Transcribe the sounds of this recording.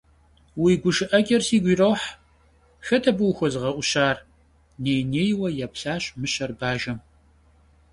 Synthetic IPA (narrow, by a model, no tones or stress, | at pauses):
wiɡʷʊʃɨʔɐɡʲʼɐrsiːɡʷiːrowħ | xɐtʰɐbɨwxʷɔzɨʁɐʔʷʊɕaːr | neːjneːjwɐjaːpɬaːɕʼmɨɕɐrbaːʒɐm